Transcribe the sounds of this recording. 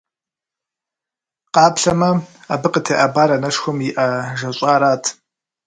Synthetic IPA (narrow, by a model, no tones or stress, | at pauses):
qɑːpɬɐmɐabɨqətʰeːʔɐbaːɾɐnɐʂxʷʊmjiʔɐʒɐɕʼaːɾaːtʰ